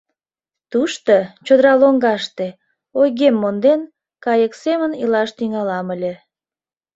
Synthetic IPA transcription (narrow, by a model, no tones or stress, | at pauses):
t̪uʃt̪ot͡ɕod̪əɾɑloŋɡɑʃt̪e | ojɣemːond̪en | kɑjəksemənilɑʃt̪yŋɑlɑməlʲe